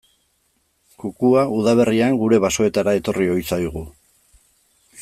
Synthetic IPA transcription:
kukuauðaβ̞e̞riaŋɡuɾe̞βaso̞e̞t̪aɾae̞t̪o̞rio̞jsajɣ̞u

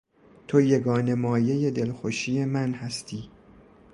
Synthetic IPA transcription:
t̪ʰojeɡɒːne̞mɒːje̞je̞d̪e̞lxoʃije̞mænhæst̪ʰiː

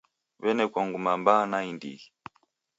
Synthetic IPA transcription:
βɛnɛkwɔŋɡumambanaindḭi

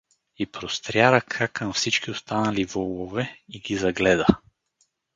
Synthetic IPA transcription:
ipɾost̪ɾjaɾəkʰakːɐmfsit͡ʃkʲiost̪anɐlivɔlˠovɛiɡʲizɐɡlɛd̪ə

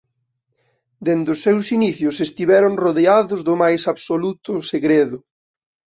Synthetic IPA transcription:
d̪end̪ʊsːewsiniθjʊsest̪iβɛɾoŋroðeaðʊzðʊmajsaβsolut̪ʊseɣɾeðʊ

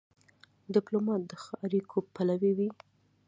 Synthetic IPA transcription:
d̪ɪplomɑt̪̚d̪əxaɾikʰopalawiwi

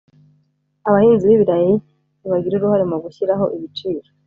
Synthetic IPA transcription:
aβahiːnziβiβiɾaji | niβaɡiɾuɾuhaɾimoɡuçiɾaɦo̞ʔiβit͡ʃiːɾo

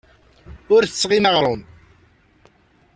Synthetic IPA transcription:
ʊɾθət͡sːʁinəʁɾˤʊn

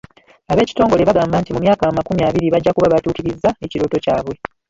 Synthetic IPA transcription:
aβe̞ːci̥to̞ːŋɡo̞le̞βaɡaːmbaːntimumjaːkamakumiaβiɾiβaɟːakuβaβatuːkiɾizːae̞ciɾo̞ːto̞caːβwe̞

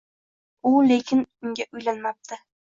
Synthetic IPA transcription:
ʊle̞kʲʰɪnʊŋɡʲaʔʊjlanmap̚t̪ʰɪ

